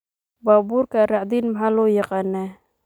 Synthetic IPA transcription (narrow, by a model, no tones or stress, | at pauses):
babuɾkaɾaʔd̪inmaɦalojəqanɛ